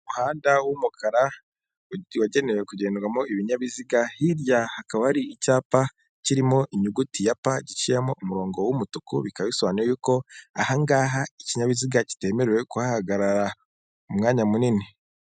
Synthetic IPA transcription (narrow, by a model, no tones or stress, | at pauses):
umuhaːndawumukʰaɾa | waɟe̞newekuɟe̞ːndwamoiβiɲaβiziɡahiɾjahakaβɾiːcaːpa | ciɾimo̞ʔiɲuɡutijapaɟit͡ʃijemoʔumuɾo̞ːŋɡowumutukuβikaβisoβaniwejukoahaŋɡaːɦaiciɲaβiziɡaci̥te̞ːme̞ɾewe̞kuhahaɡaɾaɾa | umŋaːɲamunini